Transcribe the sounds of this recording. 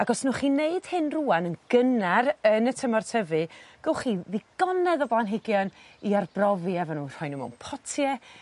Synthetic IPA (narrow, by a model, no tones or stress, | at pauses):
aɡɔsnuχiːneɨd̥hɨnruanənɡ̥ənaɾənətʰəmɔrtʰəvɨɡ̥ɔlˠχiðɪɡ̥ɔnɛðɔblˠanɦɪɡjɔniarbrɔviɛvɔnuːr̥ɔjnumṵwnpʰɔtʰjɛ